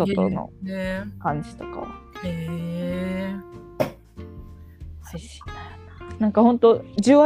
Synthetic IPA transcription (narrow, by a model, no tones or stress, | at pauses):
ot̪ono̰ekãɲ̟d͡ʑi̥t̪o̞̥ka̰e | aiɕi̥ | nãŋkahõ̞nt̪o̞d͡ʑɨːβa